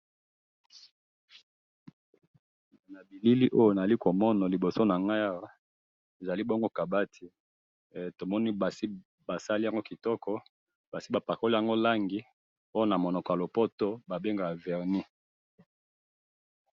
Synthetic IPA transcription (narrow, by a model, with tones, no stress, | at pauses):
na˨bi˨li˦li˦ʔo˦jo˦˨na˨a˨li˦ko˨mɔ˦nɔ˨li˨bo˨so˦na˨ŋɡa˦ja˦ʁa˦ | e˨za˨li˦bɔ˦ŋɡo˦ka˨ba˦tʰi˨ | to˨mɔ˦ni˦ba˨si˦ | ba˨sa˦li˦a˦ŋɡo˦ki˨tɔ˦kʰɔ˦ | ba˨si˦ba˨pa˨ko˦li˦a˦ŋɡo˦la˦ŋɡi˨ | o˦jo˦na˨mo˨nɔ˨kɔ˨ja˨lo˨pɔ˦to˦ba˨be˦ŋɡa˨ja˨vɛ˨ʁni˦